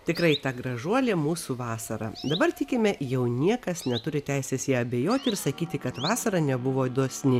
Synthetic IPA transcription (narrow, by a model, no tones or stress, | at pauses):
t̪ʲɪkɾɐɪt̪ɑɡɾɐʒuɔlʲeːmuːsuʋɑːsɐɾɐ̰d̪ɐbɐrt̪ʲɪkʲɪmʲɛjɛʊnʲiɛkɐsnʲɛt̪ʊɾʲɪt̪ʲæɪsʲeːsjiɛɐbʲejoːt̪ʲɪɾsɐkʲiːt̪ʲɪkɐt̪ʋɑːsɐɾɐnʲɛbʊʋoːɪd̪uɔsʲnʲɪ